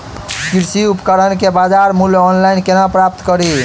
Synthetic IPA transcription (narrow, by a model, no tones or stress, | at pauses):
kiɾsiupkəɾənkebad͡ʒaɾmuljɔnlainkenapɾap̚t̪kəɾi